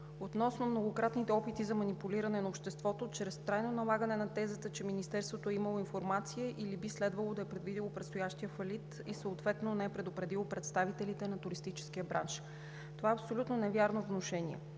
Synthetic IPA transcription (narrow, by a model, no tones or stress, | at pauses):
ot̪nɔsnomnoɡokɾat̪nit̪ɛɔpit̪izɐmɐnipuliɾɐnɛnɐopʃt̪ɛst̪vɔt̪ot͡ʃɾɛst̪ɾajnonɐlˠaɡənɛnɐt̪ɛzət̪ət͡ʃɛminist̪ɛɾst̪vot̪oɛiməlˠoinfoɾmat̪sijəʔilibislɛd̪vɐlˠod̪ɐɛpɾɛd̪vid̪ilˠopɾɛt̪st̪ojaʃt̪ijəfɐlit̪ | isəot̪vɛt̪nonɛɛpɾɛd̪opɾɛd̪ilˠopɾɛt̪st̪avit̪ɛlit̪ɛnɐt̪ʊɾist̪it͡ʃɛ̥skijəbɾa̰nʃ | t̪ovaɐpsolʲut̪nonɛvʲjaɾnovnoʃɛnḭɛ̰